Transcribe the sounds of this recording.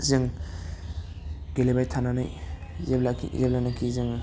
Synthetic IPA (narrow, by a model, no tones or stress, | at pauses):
zeŋ | ɡelebajtʰananajzeblaḭzeblanakʰizeŋ